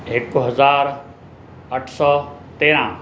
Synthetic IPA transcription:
ɪkɦɐzaːɾ | əʈʰsɔːt̪eːɾã

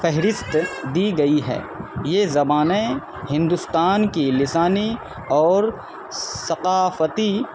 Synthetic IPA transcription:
fɛɦɾɪst̪d̪iɡɐiɦɛ̰ː | jezɐbaːne | hɪ̃nd̪ʊst̪aːnkilɪsaːni | ɔːɾ | sɐqaːfət̪i

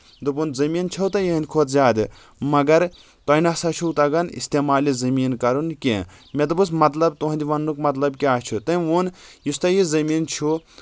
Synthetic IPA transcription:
d̪ɨbunzɐmiːnt͡ʃʰɐwt̪ɐjeɦind̪ʲkʰoːt̪zʲaːd̪ɨ | mɐɡɐɾ | t̪ɐjnɐsat͡ʃʰuwt̪ɐɡɐnḭst̪eːmaːlizɐmiːnkɐɾunkʲḛ | mʲed̪ɨbɨsmɐt̪lɐbt̪oɦɐ̃nd̪ʲiʋɐnːukmɐt̪lɐbkʲiaːt͡ʃʰut̪ɐuːnjist̪ɐjizɐmiːnt͡ʃʰu

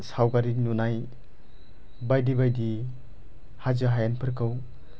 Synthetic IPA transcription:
sawɡaɾinunaj | bajdibajdi | hazɯɦajanpʰɯɾkʰɯw

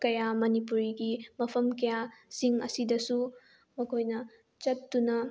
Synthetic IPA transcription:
kɐjamɐnipuɾiɡimɐpʰɐmkɐjasiŋɐ̰sidɐsu | mɐkʰojnɐ | t͡ʃɐtːunɐ

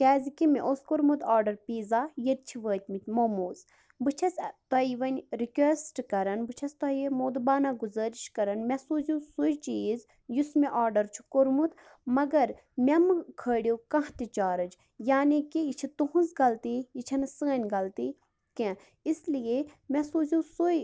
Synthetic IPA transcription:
kʲɛːzikimeʔoskoɾmut̪ʰaːɾɖɐɾpiːzaːjɐt̪̚t͡ʃʰiʋəːt̪ʲmit̪ʲmomuːz | bɨt͡ʃʰɐsʲt̪ɐiʋɐnʲɾikʲesʈkɐɾɐnbɨt͡ʃʰɐst̪ɐimoːd̪baːnaɡuzəːɾiʃkɐɾɐnmʲɛsuːzʲũsut͡ʃt͡ʃiːz | jusmeʔaːɾɖɐɾt͡ʃʰu̥koɾmut̪ | mɐɡɐɾ | mʲɛmɨkʰəːɽʲijokɐ̃ɦt̪it͡ʃaːɾɐd͡ʒ | jaːnikijit͡ʃʰit̪uɦũnzɡɐlt̪ijit͡ʃʰɐnɨsəːnʲɡɐlt̪i | kɛ̃ | islijemʲɛsoːzʲũːsuj

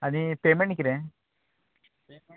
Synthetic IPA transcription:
anipemeɳʈikiɾe

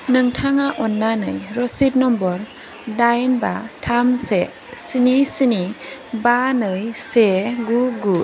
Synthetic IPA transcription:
nɯŋtʰaŋaʔɔnːanɯ̰jɾɔsit̚nɔmbɔɾ | dajnba̰tʰamse | sinisinibanɯjseɡuɡu

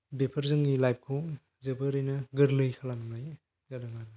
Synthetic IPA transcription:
bepʰɐɾzɯŋɡilajp̚kʰu | zɐbɐɾɯjnɐɡɯɾlɯjkʰalamnaj | zaɾaŋan

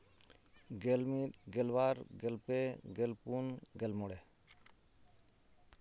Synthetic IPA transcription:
ɡelmiɡɛlwaɾɡɛlpeɡelpunɡɛlmɔɽɛ

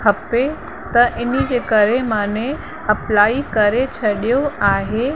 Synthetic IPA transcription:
kʰɐpe | t̪ɐʔɪnid͡ʑeːkɐɾemãːne | ɐplaːikɐɾet͡ɕʰɐɗijoaːɦe

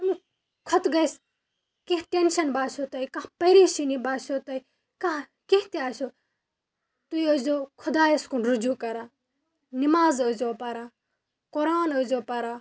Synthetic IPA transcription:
ɐmi | kʰɐt̪ɡɐjs | kihʈenʃɐnbaːsʰot̪ɐjkãɦpɐjɾiːʃinibaːsot̪ɐj | kãɦ | keɦt̪iaːso | t̪ujəzoːkʰud̪aːeskunɾud͡ʒuːkɐɾaː | nimaːzəzoːpɐɾaː | koɾaːnəzoːpɐɾaː

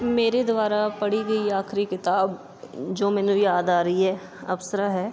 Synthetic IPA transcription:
meːɾed̪ʊaːɾaːpəɽiːɡəiaːkʰɾikɪt̪aːb | d͡ʒoːmɛːnũːjaːd̪aːɾəiɦɛː | ɐ̰bsəɾaːɦɛː

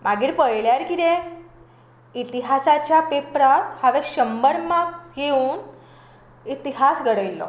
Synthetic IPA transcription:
maɡiːɾpəjɭjaɾkiɾe | it̪iɦasat͡ɕjapepɾat̪haʋeɕəmbəɾmakɡeuːn | it̪iɦasɡʱəɽəjlːɔ̰

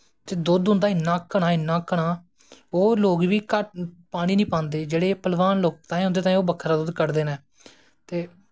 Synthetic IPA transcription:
t̪eːd̪od̪ɦʊ̃nd̪aːɪnːãːkəɽ̃aːɪnːãːkəɽaː | oːloːɡʋiːkəpaːɽ̃ĩːnĩːpãːnd̪eːd͡ʒeːɽeːpəlʋaːnloːk̚t̪ãːĩɦʊnd̪eːt̪ãːĩːoːbəkʰɾaːd̪ʊd̪kəɾd̪eːnɛː | t̪eː

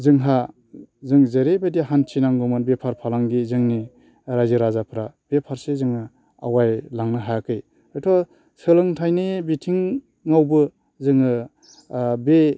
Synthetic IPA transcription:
zɯŋɦa | zɯŋzeɾebadiaɦant͡ʃʰinaŋɡɔmɯnbepʰaɾpʰalaŋɡizɯŋni | ɾajzɯɾazapʰɾab̥epʰaɾsezɯŋɯ | a̰wajlaŋnɯɦajakɯj | ajtʰɔ | sɯlɯŋtʰajnebitʰiŋː | awbɯ | zɯŋɯ | be

